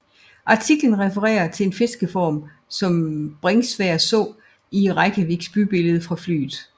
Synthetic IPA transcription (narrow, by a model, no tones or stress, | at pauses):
ʔɑ̈t͡sʰiɡ̥lənʁɛfəʁɛ̰ːɐt͡sʰe̝e̝nfe̝sɡ̥əfɒ̰ːm | sɒ̽mb̥ʁɛŋsʋæɐsɔ̰̽ː | iʁɑ̈ɪɡ̥æʋiɡ̥sb̥yb̥e̝ləð̞̩ˠfʁɑ̈fly̰ːð̩ˠ